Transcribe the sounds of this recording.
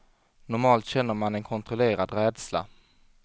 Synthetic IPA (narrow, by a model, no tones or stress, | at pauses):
nʊɾmɑːlt̪ɕɛnːəɾmanɛnkʰɔnt̪ɾɔleːɾad̪ɾɛːd̪sla̰